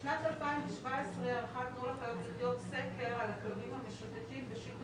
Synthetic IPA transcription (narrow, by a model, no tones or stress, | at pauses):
nat̪alpaimveʃvaesʁealaχat̪̚nolaχajotsidijot̪sekeʁalaklonimhameʃut̪ekimbeʃik